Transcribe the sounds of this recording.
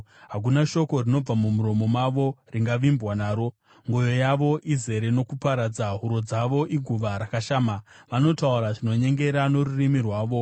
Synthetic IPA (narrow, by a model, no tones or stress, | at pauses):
ɦak̬unaʃo̞ko̞rino̞b͡vamumuɾo̞mo̞maʋo̞riŋɡaʋimbwanaːɾo̞ | ŋɡo̞jo̞jaʋo̞ʔize̞ɾe̞no̞kupaɾad͡zaɦuɾo̞d͡zaʋo̞ʔiɡʱuʋaɾakaʃaːmaʋano̞tauɾaʐino̞ɲe̞ŋɡe̞ɾano̞ɾurimirwaːʋo̞